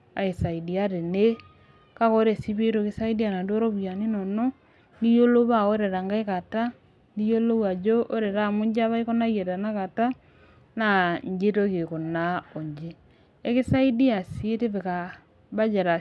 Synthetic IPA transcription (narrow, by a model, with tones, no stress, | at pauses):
a̰˨e˨sa˨idia˦ɾe˨ne˦ | ka˦ɣo˦ɾe˨si˦βe˦toke˦sa˦i˦di˦a˨na˨ndo˦ɾo˦βwja˨ni˦no˨nɔ˦ | ni˦jo˦lo˦βa˦o˦ɾe˨ɾa˨ŋɡa˦e˦ka˨ta˦ | nijo˦lo˦wa˨d͡ʒo˦ʔo˦ɾe˨ɾa˦mo˦ɲd͡ʒa˦βa˦i˦ko˦na˦je˨ta˨na˦ka˨ta˦ | na˨ɲd͡ʒe˦to˦ke˨ko˨nao˨ɲd͡ʒe˦ | e˦ke˦sa˦i˦di˦a˨si˦e˦te˦βe˨ka˨ | βa˦d͡ʒe˨ɾa˨